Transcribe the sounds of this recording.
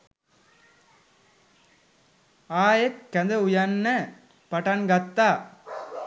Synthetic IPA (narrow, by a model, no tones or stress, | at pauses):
aːjek̪kɐnd̪əujɐnːɐ | pɐʈɐnɡɐt̪ːaː